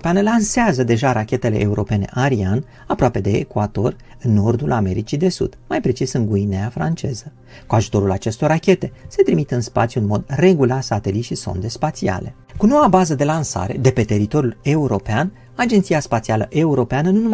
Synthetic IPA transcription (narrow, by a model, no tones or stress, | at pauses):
peanəlanseazəd̪e̞ʒaɾakʲe̞t̪e̞le̞ʔːuɾo̞pe̞ne̞̰ʔaɾian | apɾoape̞d̪e̞̰ːkuad̪o̞r | ɨnːo̞rd̪ulʔame̞ɾit͡ʃid̪e̞sṵd̪̥majpɾe̞t͡ʃisɨŋɡuineafɾant͡ʃe̞zə | kuaʒu̥t̪o̞ɾulat͡ʃe̞st̪o̞rrakʲe̞t̪e̞se̞t̪ɾimit̪əɨnspat̪sʲjuɨnmo̞d̪re̞ɡularsat̪e̞lit̪ʃiso̞̰nd̪e̞spat̪sia̰le̞̰ | kuno̞wabazəd̪e̞lansa̰ɾe̞d̪e̞pe̞t̪e̞ɾit̪o̞ɾjule̞uɾo̞pean | ad͡ʒe̞nt̪siaspat̪sialəʔe̞uɾo̞peanənunum